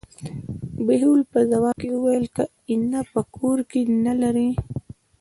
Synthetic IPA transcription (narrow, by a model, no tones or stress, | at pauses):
beɦulpəzawɑkeuwajəlka | ɪnapəkʰoɾkenalaɾi